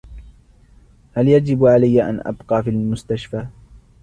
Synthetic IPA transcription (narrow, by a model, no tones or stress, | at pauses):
haljad͡ʒɪbʕalajːaʔa̰nʔa̰bqɑːfiːlmʊst̪aʃfaː